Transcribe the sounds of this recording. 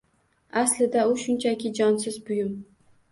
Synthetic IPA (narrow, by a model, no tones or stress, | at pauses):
aslɪd̪aʊʃʊnt͡ʃʰakʲɪd͡ʒɒnsɪzbʊjʊm